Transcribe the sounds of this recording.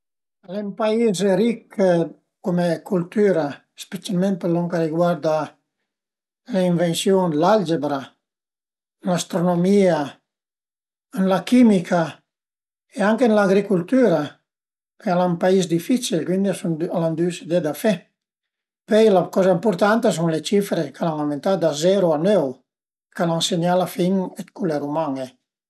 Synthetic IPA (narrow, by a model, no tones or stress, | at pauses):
alempaizɾik | kːumekult̪yɾa | spet͡salmẽnt̪̚pəɾlɔŋkaɾiɡwaɾd̪a | leiɱvensjonlald͡ʒebɾa | nlast̪ɾonomia | nlakimikʰa | eaŋkenlaɡɾikult̪yɾa | pealampaisd̪ifit͡ʃilkwind̪iasaland̪ysed̪ed̪afɛ | pɛjlakɔzaimpuɾt̪ant̪as̬uŋlet͡ʃifɾekalaŋament̪ad̪azɛɾuanɛw | kalaŋseɲalafiŋɛt̪kuleɾumaŋe